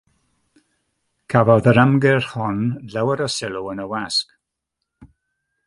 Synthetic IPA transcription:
kʰavɔðəɾamɡɪrhɔnlɛwəɾɔsɪlˠuənəwask

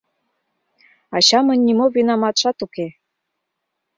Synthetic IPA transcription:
ɑɕɑmənʲːimoβinɑmɑt̪ʃɑt̪uke

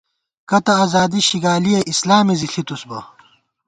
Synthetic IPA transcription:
kɐt̪ɐɐzaːd̪iɕiɡaːlijɐʔislaːmiziɬʰit̪usbɐ̰

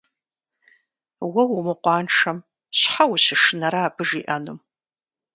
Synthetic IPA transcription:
wɐwʊmɨqʷɑːnʈ͡ʂʰɐm | ɕħawʊɕɪʂɨnɐɾaːbɨʐiːʔɐnɨm

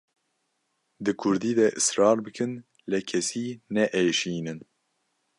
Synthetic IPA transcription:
d̪ɨkʰʊɾd̪iːd̪ɛʔɨsɾɑːɾbɨkʰɨn | lɛkʰɛsiːnɛʔeːʃiːnɨn

